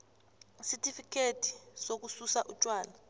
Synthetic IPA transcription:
sɛtʰʼifikʰetʰi̥sok̬ususaʔut͡ʃʼwaːla

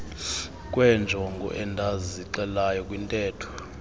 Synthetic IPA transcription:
kʼwɛnd͡ʒʱɔŋɡʱɔ̰ʔɛndʱaziǃɛlajɔkʼwintʼɛːtʰɔ̥

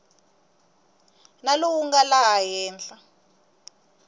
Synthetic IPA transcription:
naluwuŋɡalaɦajɛːnd͡ɮa

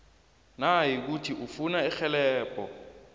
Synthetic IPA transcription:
naɦik̬utʰiʔufunaɛxɛlɛːpʼɔ

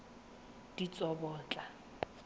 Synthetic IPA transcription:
d̥it͡sʼɔbɔːt͡ɬʼa

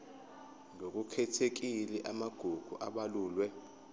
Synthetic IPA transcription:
ŋok̬ʼukʰɛtʰek̬ilɛʔamaɡ̥ʱuɡ̥ʱṵʔa̰ɓaluːlwɛ

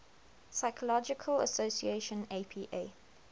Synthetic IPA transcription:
saɪkʰəlɔd͡ʒɪkʰələ̰soʊsieʃə̃neɪpʰiːʔeː

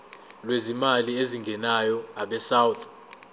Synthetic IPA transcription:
lwezimalieziŋɡʱɛnajɔaɓɛsawt̪ʰ

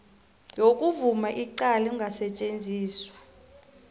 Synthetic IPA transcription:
jokʼuvumaʔiǀalɛuŋʱasɛt͡ʃʼend͡zʱiːswḁ

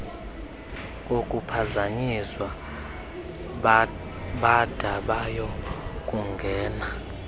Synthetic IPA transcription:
kʼokʼupʰazaɲiswa | ɓad̥ʱaɓajɔkʼuŋɡʱɛːna

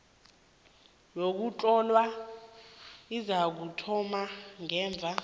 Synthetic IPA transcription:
lok̬ut͡ɬʼɔlwa | izak̬utʰɔmaŋɛːɱb̪vʱa

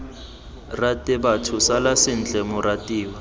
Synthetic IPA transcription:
ratʼɪbatʰʊsalasɪn̩t͡ɬɛmʊratʼiːwa

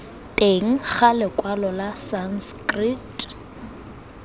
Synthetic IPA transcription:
tʼeŋ̩k͡xʰalɪkʼwalɔlasanskʼritʼ

